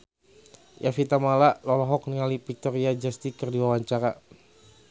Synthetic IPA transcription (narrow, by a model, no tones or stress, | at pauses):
jʔafit̪amalalɔlɔɦɔk̚nəŋalipik̚t̪ɔɾiad͡ʒast̪ikərdiwawaɲt͡ʃaɾa